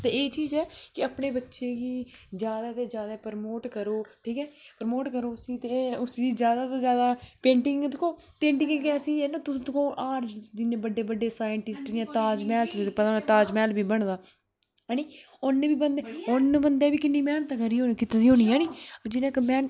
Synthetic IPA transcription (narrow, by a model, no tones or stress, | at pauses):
t̪eːeːt͡ʃiːzɛːkɪəpɳeːbətːʃeːɡiːd͡ʒjaːd̪aːt̪eːd͡ʒjaːd̪aːpəɾmoːʈkəɾoːʈʰiːkɛːpəɾmoːʈkəɾoːsiːt̪eːʊsiːd͡ʒjaːd̪aːt̪eːd͡ʒjaːd̪aːpẽːɳʈɪŋɡt̪ɪkʰõː | pẽːɳʈɪŋɡkɛːsiːeːnõːt̪ʊsːt̪əkʰõːʔaːɾd͡ʒd̪ineːbəɖːeːbəɖːeːsaːjəɳʈɪsʈd͡ʒijãːt̪aːd͡ʒmɛːlt̪ʊsẽːt̪eːpət̪ãnãːt̪aːd͡ʒmɛːlbiːbəɳd̪aː | niː | ʊnːebiːbənd̪eːʊnːbənd̪eːbiːkɪnːiːmɛːnt̪ãːkəɾiːoːkɪt̪ːd̪iːɦoːniːaːniːd͡ʒɪnãːkmɛː